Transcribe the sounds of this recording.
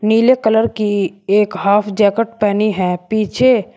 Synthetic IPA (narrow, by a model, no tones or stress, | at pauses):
niːlekələɾkieːkɦaːpʰd͡ʒɛːkəʈpɛːniɦɛ̃ːpiːt͡ʃʰe